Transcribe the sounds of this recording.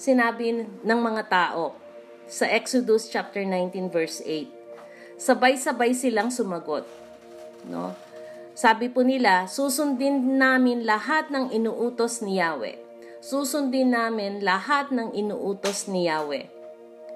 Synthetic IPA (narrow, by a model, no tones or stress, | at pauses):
sɪnaːbɪnɐŋmɐŋat̪aːʔo̞ | sɐʔɛksod̪ʊst͡ʃap̚t̪ɛɹnajnt̪invɛɹsʔejt̪̚ | sɐbajsɐbajsɪlaŋsʊmɐɡot̪̚ | no̰ | saːbɪpʊnɪlasuːsʊnd̪ɪnnaːmɪnlɐɦat̪̚nɐŋɪnuːʔuːt̪osnɪjaːwɛ̰ | suːsʊnd̪ɪnːaːmɪnlɐhat̪̚nɐŋɪnuːʔuːt̪osnɪjaːwɛ̰